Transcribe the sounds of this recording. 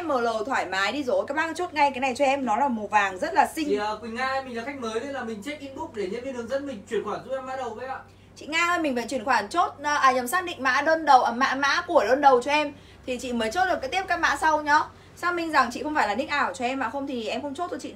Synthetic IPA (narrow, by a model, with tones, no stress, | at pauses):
mːəː˨˩ləː˨˩t̪ʰwaː˧˩jmaː˨˦jɗi˧zo˨˦kaː˨˦˥j̚maː˧˦˥t͡ɕo˦˥t̚ŋa˧jkaː˨˦jna˨˩jt͡ɕɔ˧ʔɛ˧mnɔ˨˦laː˨˩mo˨˩vaː˨˩ŋzə˦˥t̚laː˨˩sï˧ŋ˨˩əː˨˩kwi˨˩ŋaː˧mi˨˩laː˨˩xa˦˥k̚məː˨˦jzə˧˨˦laː˨˩mï˨˩ŋ̟t͡ɕe˦˥k̚ʔi˧˦ŋtu˦˥ɗe˧˩ɲə˧nvi˧nɗɨ˨˩əŋzə̰˦˥n̚mï˨˩ŋ̟t͡ɕwi˧˩ənxwaː˧˩nzu˦˥p̚ɛ˧ma̰ː˧˥ɗə˨˩wkə˨˦ja̰ː˧˨ | t͡ɕḭ˧˨ŋaː˧həː˧jmï̟˨˩və̰˧˨nt͡ɕwi˧ənkxwaː˧˩nt͡ɕo˦˥t̚ːʔaː˨˩ɲə˨˩msaː˦˥k̚ɗḭ̈˧˨ŋ̟ma̰ː˧˥ɗəː˧nɗə˨˩wʔəː˧˩ma̰ː˧˥ma̰ː˧˥ku˧˩əɗəː˧nɗə˨˩wt͡ɕɔ˧ʔɛ˧m | t̪ʰi˨˩t͡ɕḭ˧˨məː˨˦jt͡ɕo˦˥t̚ɗɨ˨˩kaː˨˦jt̪i˦˥əp̚kaː˦˥k̚ma̰ː˧˥sa˧wɲɔ˨˦ | saː˧wmï˧ŋ̟za˨˩ŋt͡ɕḭ˧˨xə˧wŋ͡mfaː˧˩la˨˩ï˦˥k̚ʔaː˧˩wt͡ɕɔ˧ʔɛ˧mːa̰ː˧˨˩xə˧ŋ͡mt̪ʰi˨˩ʔɛ˧mxə˧wŋ͡mt͡ɕo˦˥t̪̚ʰo˧jt͡ɕḭ˧˨